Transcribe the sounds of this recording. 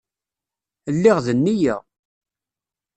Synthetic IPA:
lːɪʁðənːijæ

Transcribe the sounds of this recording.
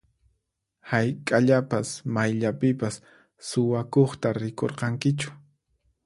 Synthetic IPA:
hajkʼaʎapasmajʎapɪpasː | ʊwakoχt̪aɾɪko̰ɾqɑŋkɪt͡ʃʊ̥

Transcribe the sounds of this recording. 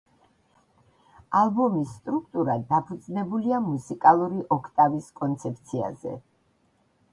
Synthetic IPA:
alˠbɔmisːt̪ʼɾuk̚ʰt̪ʼuɾad̪apʰud̪znɛbuliamusikʼalˠuɾiʔɔkʰt̪ʼaviskʼɔnt̪sʰɛp̚ʰt̪sʰia̰zɛ̰

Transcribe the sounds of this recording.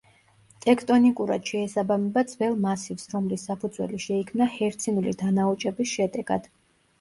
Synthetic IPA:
t̪ʼɛkʰt̪ʼɔnikʼuɾa̰d̪̥ʃɛːsabamɛbad̪zvɛlˠmasivsɾɔmlisːapʰud̪zwɛ̰liʃɛikʰmnahɛɾt̪sʰinulḭd̪anaut͡ʃʼɛbisʃɛd̪ɛɡ̥a̰d̪̥

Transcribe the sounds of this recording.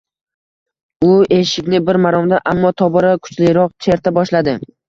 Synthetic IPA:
ʊe̞ʃɪkʲnɪbɪɾmaɾɒmd̪aʔamːɒt̪ʰɒbɒɾakʰʊ̥t͡ʃlɪɾɒq̚t͡ʃʰe̞ɾt̪ʰabɒʃlad̪ɪ

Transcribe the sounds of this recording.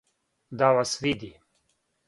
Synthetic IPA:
d̪aʋasʋid̪i

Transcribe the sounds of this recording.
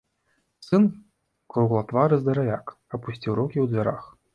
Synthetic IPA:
sɨn | kɾuɣlˠat̪vaɾɨzd̪ɐɾajʲak | ɐpusʲtʲiwɾukʲiwd̪ʲvʲaɾax

